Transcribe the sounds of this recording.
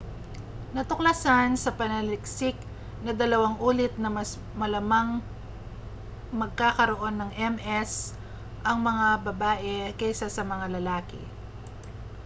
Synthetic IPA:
nɐt̪ʊklasansɐpɐnɐlɪksɪk̚ | nɐd̪ɐlɐwaŋʔuːlɪt̪̚nɐmɐs | mɐlɐmaŋ | mɐɡ̚kakɐɾoʔo̞nːɐŋʔɛmʔɛs | ʔɐŋmɐŋabɐbaːʔɛkɛjsasɐmɐŋalɐlaːkɪ̰

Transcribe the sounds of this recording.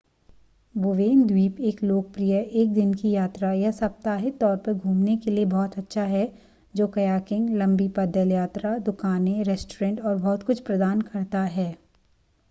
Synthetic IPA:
boʋeːnd̪wiːpeːkloːk̚pɾijəʔeːk̚d̪ɪnkijaːt̪ɾajɐsɐp̚t̪aːɦɪt̪t̪ːɔːɾpɐɾɡʱũːmnekeliebɔːt̪ɐtːʃʰaɦɛ | d͡ʒoːkɐjaːkɪ̃ŋɡlɐ̃mbipɐd̪əljaːt̪ɾad̪ʊkaːneɾɛsʈoɾẽːɳʈɔːɾbɔːt̪kʊt͡ʃʰpɾɐd̪aːnkɐɾt̪aɦɛː

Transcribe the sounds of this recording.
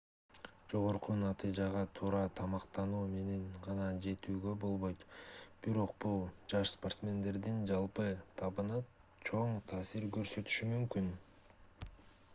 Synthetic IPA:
d͡ʒo̞ʁo̞ɾqunɑt̪ɨjd͡ʒɑʁɑt̪ʰuːɾɑt̪ʰɑmɑqt̪ɑnuːme̞ne̞nʁɑnɑd͡ʒe̞t̪yːɡø̞bo̞lˠβo̞jt̪b̥iɾo̞qbulˠd͡ʒɑʃspo̞rt̪smʲe̞nd̪e̞ɾd̪ind͡ʒɑlˠpɯt̪ʰɑβɯnɯp̚ | t͡ʃʰo̞ɴt̪ʰɑːsiɾɡø̞ɾsø̞t̪y̥ʃymymkyn

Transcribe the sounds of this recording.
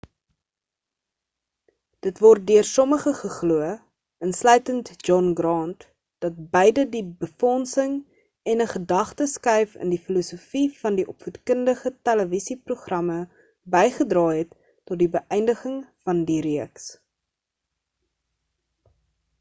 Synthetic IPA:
d̥ətvɔrt̚døərsɔməχəχəχluə | ənslœɥtəntd͡ʒɔnɡrɑːnt | d̥ɐt̚bɛjdədibəfɔnsəŋ | ɛnəχədɐχtəskɛjfə̰ndifilusufifɐndiʔɔpfutkəndəχətæləvisipruχrɐmə | bɛjχədrɑːɦɛtː | ɔt̚dibəʔɛjndəχəŋfɐndiɾiəks

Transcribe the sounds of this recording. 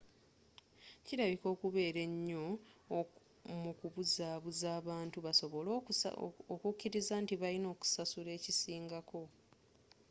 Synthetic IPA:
ciɾaβiko̞ːkuβe̞ːɾe̞ɲːo̞ | mukuβuzaːβuzaːβaːntuβaso̞βo̞l | okukːiɾizaːntiβalino̞ːku̥sasule̞ːcisiːŋɡako̞

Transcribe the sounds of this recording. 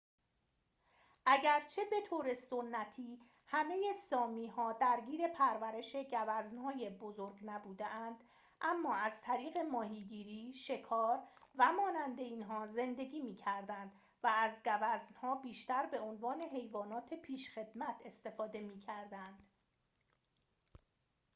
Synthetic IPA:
ʔæɟæɾt͡ʃʰe̞be̞t̪ʰoːɾe̞sonːæt̪ʰiː | hæme̞jesɒːmiːɦɒːd̪æɾɟiːɾe̞pʰæɾvæɾe̞ʃe̞ɟævæznhɒːje̞bozoɾɡnæbuːd̪eʔænd̪ | ʔæmːɒːæzt̪ʰæɾiːɣe̞mɒːɦiːɟiːɾiːʃe̞kʰɒːɾvæmɒːnænd̪e̞iːnɦɒːze̞nd̪e̞ɡiːmiːcʰæɾd̪ænd̪̥ | væːzɡævæznhɒːbiːʃt̪æɾbe̞o̞nvɒːne̞ɦe̞jvɒːnɒːt̪ʰe̞pʰiːʃxe̞d̪̥mæt̪ʰe̞st̪e̞fɒːd̪e̞miːcʰæɾd̪ænd̪̥

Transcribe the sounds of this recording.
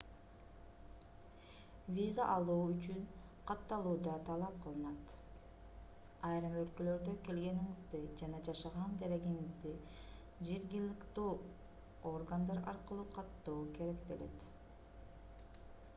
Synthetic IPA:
vʲizaʔɑlˠuːyt͡ʃyn | qʰɑt̪ːɑlˠuːd̪ɑt̪ʰɑlˠɑp̚qɯlˠɯnɑt̪ | ɑjɾɯmø̞lkø̞lø̞ɾd̪ø̞ke̞lɡe̞niŋizd̪ɯd͡ʒɑnɑd͡ʒɑʃɑʁɑnd̪æɾe̞ɡiŋizd̪i | d͡ʒeɾɡilikt̪uː | o̞rɡand̪ɑɾɑ̰ɾqɯlˠuqʰɑt̪ːoːke̞ɾe̞kd̪ele̞̰t̪

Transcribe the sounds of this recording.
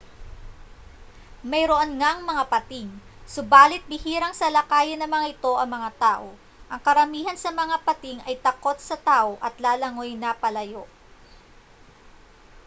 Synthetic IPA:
mɐjɾoʔonŋaŋmɐŋapɐt̪iŋsʊbaːlɪt̪̚bɪhiːɾɐŋsɐlɐkaːjɪnːɐŋmɐŋaʔɪt̪o̞ʔɐŋmɐŋat̪aːʔo̞ | ʔɐŋkɐɾɐmiːhɐnsɐmɐŋapɐt̪iŋɐjt̪ɐko̞t̪̚sɐt̪aːʔo̞ʔɐt̪laːlɐŋo̞jnɐpɐlɐjo

